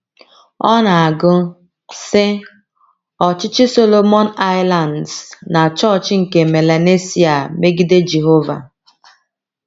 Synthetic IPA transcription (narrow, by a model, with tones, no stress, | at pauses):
ɔ˦na˨a˨ɡʊ˦ | sɪ˦ | ɔ˨t͡ʃɪ˦t͡ʃɪ˦so˦lo˦mɔ˦na˦ɪ˦la˨ndsna˨t͡ʃɔ˦t͡ʃŋ̩˨ke˨me˨la˨ne˦si˦a˨me˦ɡi˦de˦d͡ʒe˨ɦo˦va̰˨